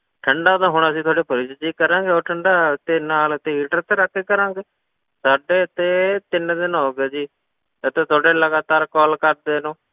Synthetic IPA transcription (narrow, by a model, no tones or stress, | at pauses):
ʈʰəɳɖaːd̪ãːɦʊɳəsĩːt̪ʰwaːɖeːpʰəɾɪd͡ʒd͡ʒiːkəɾãːŋɡeːoːɾʈʰəɳɖaːd̪eːnaːlət̪eːiːʈəɾt̪eːɾəkʰːeːkəɾãːŋɡeː | saːɖeːt̪eːt̪ɪnd̪ɪnɦoːɡeːd͡ʒiː | ət̪eːt̪ʰaːɖeːləɡaːt̪aːɾkɔːlkəɾd̪eːnũː